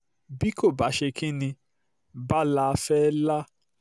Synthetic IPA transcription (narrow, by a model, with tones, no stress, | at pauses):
bi˦ko˦˨ba˨˦ʃe˧kʰĩ˦nĩ˧ | ba˦la˦˧fɛ˦la˦